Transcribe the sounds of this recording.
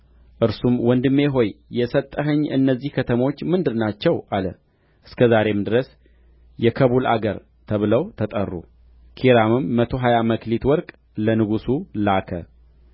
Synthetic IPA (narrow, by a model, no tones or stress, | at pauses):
ʔɨɾsumwɔnd̪ɨmːe̞ɦo̞jjɛsət̪ʼːəɦəɲːɨ̰nːəzːihkʰət̪ʰəmot͡ʃːmɨnd̪ɨɾnat͡ʃːɛwʔalə | ʔɨskʰəzaɾe̞md̪ɨɾəs | jɛkʰəβula̰ɡəɾ | t̪ʰəβɨləwt̪ʰət̪ʼə̰rːṵ | kʰiɾamɨmːət̪ʰo̞ɦajaməklit̪wɔɾkʼ | lənɨɡusulakʰə̰